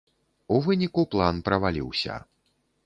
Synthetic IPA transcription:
uvɨnʲikuplˠanpɾɐvalʲḭwsʲɐ̰

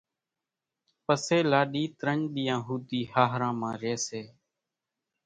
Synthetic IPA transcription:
pəseːlaːɗiːt̪ɾəɳɗ̪ijãːɦuːt̪iːhaːɦɾãːmãːɾeːseː

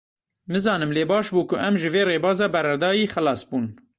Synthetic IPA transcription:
mɨzɑːnɨmleːbɑːʃbuːkʊʔɛmʒɨveːreːbɑːzɑːbɛɾɛd̪ɑːjiːxælɑːsbuːn

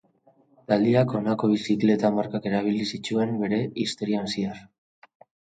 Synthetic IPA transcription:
t̪ald̪iako̞nako̞β̞isikle̞t̪amaɾkake̞ɾaβ̞ilisit͡ʃue̞mbe̞ɾe̞ist̪o̞ɾiansiar

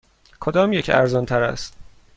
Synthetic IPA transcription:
kʰod̪ɒːmjecʰæ̰ɾzɒnt̪ʰæɾæ̰st̪

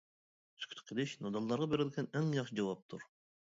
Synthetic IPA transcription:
sy̥kʲʰy̥t̪qʰeliʃnɑd̪ɑlˠːɑɾʁɑbeɾɪlʲɡʲɛneŋjɑqʃɯd͡ʒɑwɑp̚t̪ʰuɾ

